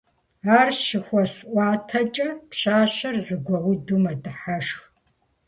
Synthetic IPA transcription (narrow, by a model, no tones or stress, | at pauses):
aːrʃɪxʷɔsʔʷɑːtʰɐt͡ʃʼɐtɕaːʃɐrzɨɡʷɔwʊdumɐdɨħaʂx